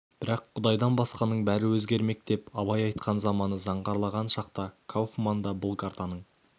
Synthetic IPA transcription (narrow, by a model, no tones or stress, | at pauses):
b̥ɪɾɑqʰːʊd̪ɑjd̪ɑnbɑsqɑnəɴbæɾɪwɵzɡʲe̞ɾme̞k̚t̪e̞pɑbɑjɑjt̪qʰɑnzɑmɑnəzɑɴʁɑɾlˠɑʁɑnʃɑqt̪ɑkʰawfmɑnd̪ɑbʊlˠkʰaɾt̪ɑnəɴ